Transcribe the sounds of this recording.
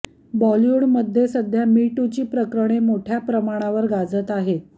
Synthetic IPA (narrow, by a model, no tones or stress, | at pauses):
bɔljuɽməd̪ʱːjesəd̪ʱjamiʈut͡ɕiːpɾəkɾəɽ̃emoʈʰjapɾəmaɽ̃aʋəɾɡad͡zət̪aɦet̪